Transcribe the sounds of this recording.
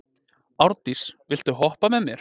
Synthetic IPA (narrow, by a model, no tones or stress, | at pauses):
awɾt̪isvɪl̥t̪ʏɦɔhpamɛðmjɛɾ̥